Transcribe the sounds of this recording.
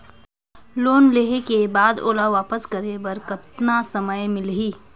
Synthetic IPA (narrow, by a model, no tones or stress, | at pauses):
loːnleːɦekebaːd̪o̰ːlaʋaːpəskəɾebɐɾkət̪nasɐməjmɪlɦiː